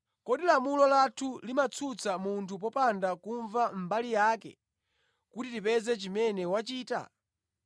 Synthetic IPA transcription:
kɔɗilamulɔlatʰulimat͡sʰut͡sʰamuntʰup̬ɔpandakuɱvam̩balijaːkɛ̰ | kutitipɛzɛt͡ʃimɛnɛwat͡ʃiːta̰

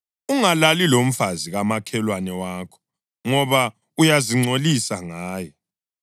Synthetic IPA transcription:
uŋalalilom̩faziɣamakʰɛlwanɛwaːkʰɔ̥ | ŋɔβa | ujaziŋ͡ǀolisaŋaːjɛ

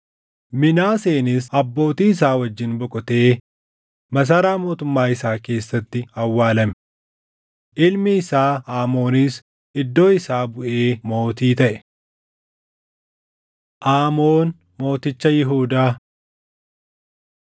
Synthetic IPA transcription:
mɪnaːseːnɪsɐbːo̞ːt̪iːɪs̬aːwɐd͡ʒːɪnbɔkʼɔt̪e̞ː | mɐs̬ɐːɾaːmo̞ːt̪ʊmːaːɪsaːke̞ːsːɐt̪ːɪɐwːaːlɐmɛ | ʔɪlmɪɪsaːaːmo̞ːnɪs | ɪd̪ːo̞ːɪsaːbʊʔeːmo̞ːt̪iːt̪ɐʔɛ̥ | ʔaːmoːn | mo̞ːt̪ɪt͡ʃːɐjɪɦuːd̪aː

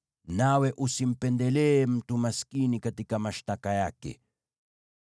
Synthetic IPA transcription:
naweʔusim̩pɛnd̪elem̩t̪umaskinikat̪ikamaʃt̪akajakɛ̰

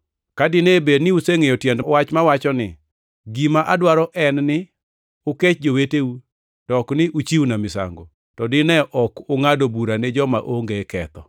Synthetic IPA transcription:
kadɪnebednɪuseŋejɔtjɛndwat͡ʃmawat͡ʃɔnɪ̰ | ɡimaʔadwaɾɔʔɛnnɪ | ʊket͡ʃd͡ʒoweteu | tɔknɪʔut͡ʃiwunamɪsa̰ŋɡo | tɔdɪnɛʔɔkʊŋadobuɾaned͡ʒɔma̰ʔoŋɡekɛ̰t̪ɔ

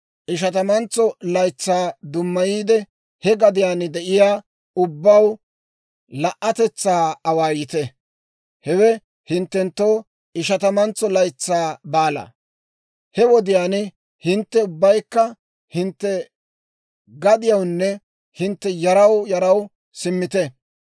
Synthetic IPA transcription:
ʔɪʃ̬ɐt̪ɐmɐnt͡sːɔlɐjt͡sːaːd̪ʊmːɐjiːd̪ɛ | hɛɡɐd̪ɪjaːnd̪ɛʔɪjaː | ʊbːɐw | lɐʔːɐt̪ɛt͡sːaːɐwaːjɪt̪ɛ | hɛwɛ | hɪnt̪ːɛnt̪ːow | ɪʃɐt̪ɐmɐnt͡sːɔlɐjt͡sːaːbaːlɐ̰ | hɛwɔd̪ɪjaːn | hɪnt̪ːɛʊbːɐjkːɐ | hɪnt̪ːɛ | ɡɐd̪ɪjɐwnːɛ | hɪnt̪ːɛjɐɾɐwjɐɾɐw | sɪmːɪt̪ɛ

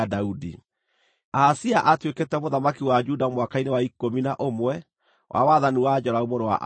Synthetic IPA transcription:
daudi | aːsiaʔatweketɛmoðamakiwad͡ʒudamwakainewaikominaʔomwɛ | wʔa̰waðaniwad͡ʑɔɾaomoɾowa̰ʔ

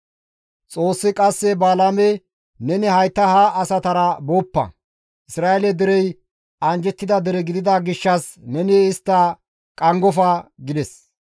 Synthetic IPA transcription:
t͡sʼo̞ːsːɪkʼɐsːɛbaːlamɛ | nɛnɪhɐjt̪ːɐhaʔːsɐt̪ɐɾɐboːpːɐ̰ | ʔɪsɾaːɛlɛd̪ɪɾɛj | ʔɐnd͡ʒɛt̪ːɪd̪ɐd̪ɛɾɛɡɪd̪ɪd̪aɡɪʃːɐsnɛnɪɪst̪ːɐ | kʼɐŋɡɔfɐɡɪd̪ɛs

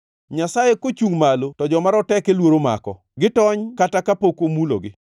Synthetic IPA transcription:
ɲasajekot͡ʃuŋmalotɔd͡ʒɔmaɾɔtɛkelwoɾoma̰kɔ̰ | ɡɪtɔɲkatakapokomulo̰ɡɪ

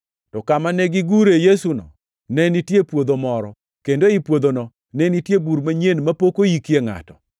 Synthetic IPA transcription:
tɔkamanɛɡɪɡuɾejesunɔ̰ | nɛnitjepwod̪omɔɾɔ | kendoipwod̪onɔ | nɛnitjebuɾmaɲenmapokojikjeŋa̰tɔ

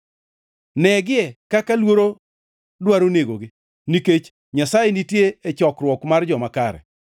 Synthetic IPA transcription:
nɛɡɪɛkakalwoɾo | dwaɾoneɡoɡɪ | niket͡ʃ | ɲasajenitjeet͡ʃɔkrwɔkmard͡ʒɔmakaɾɛ̰

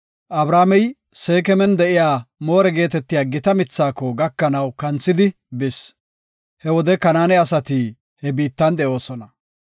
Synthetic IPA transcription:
ʔɐbɾaːmɛj | se̞ːkɛmɛnd̪ɛʔɪjaːmo̞ːɾɛɡe̞ːt̪ɛt̪ːɪjaːɡɪt̪ɐmɪt͡sːaːkːɔɡɐkːɐnɐwkɐnt͡sːɪd̪ɪ | bɪs | hɛwɔd̪ɛkɐnaːnɛɐsɐt̪i | hɛbiːt̪ːɐnd̪ɛʔo̞ːsɔnɐ

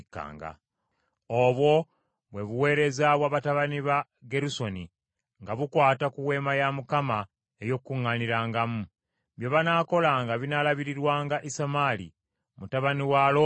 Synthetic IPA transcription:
kːa̰ːŋɡa̰ | oβwo̞ | βwe̞βuwe̞ːɾe̞zaβwaβataβaniβa | ɡe̞ɾuso̞ni | ŋɡaβukwaːtakuwe̞ːmajamukama | ejo̞kːuŋːaniɾaːŋɡamu | βjoβanako̞laŋɡaβinalaβiɾiɾwaːŋɡaʔisamalḭ | mutaβaniwalo

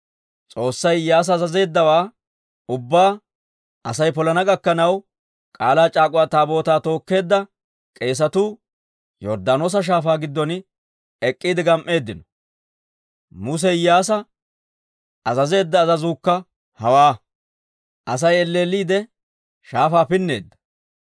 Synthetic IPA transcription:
t͡sʼo̞ːsːɐjjaːs̬ɐːzɐze̞ːd̪ːɐwaː | ʊbːaː | ɐsɐjpɔlɐnɐɡɐkːɐnɐw | kʼaːlaːt͡ʃʼaːkʼʊwaːt̪aːbo̞ːt̪aːt̪o̞ːkːe̞ːd̪ːɐ | kʼe̞ːs̬ɐt̪uː | jɔɾd̪aːno̞ːs̬ɐʃ̬aːfaːɡɪd̪ːɔn | ɛkʼːiːd̪ɪɡɐmʔːe̞ːd̪ːɪnɔ | mʊs̬ɛjaːs̬ɐ | ɐzɐze̞ːd̪ːɐːzɐzuːkːɐ | hɐwaː | ʔɐs̬ɐjɛlːe̞ːlːiːd̪ɛ | ʃaːfaːpɪnːe̞̰ːd̪ːɐ̥

